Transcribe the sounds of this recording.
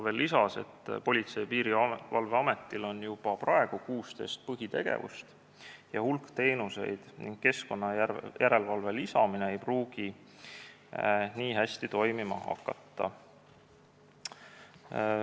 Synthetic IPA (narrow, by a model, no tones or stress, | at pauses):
ve̞lːisɑse̞̰t̪ːpo̞lʲit̪se̞jpiːɾiɑvɑlveɑme̞t̪ːˑilo̞njub̥ɑprɑe̞ɡ̥ukuːst̪e̞̰ːst̪̚pɤɦit̪e̞ɡ̥e̞̰vṵst̪ | jɑhulkt̪e̞ːnuse̞̰jd̪̥nḭŋɡ̥̚ke̞sko̞nːɑjʔæɾe̞lvɑlve̞lisɑmine̞ejpruːɡ̥i | niːɦæsʲt̪it̪o̞jmimɑ̰hɑ̰kːˑɑ̰t̪ːɑ̰